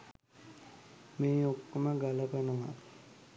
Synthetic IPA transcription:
meːokːoməɡaləpanəʋa̰

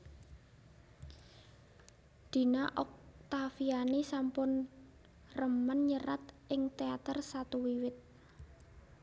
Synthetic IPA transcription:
d̪̥i̤naʔɔk̚t̪afianisampʊn | rəmənɲəɾat̪ | ɪŋt̪eat̪ərsat̪uwiwɪt̪̚

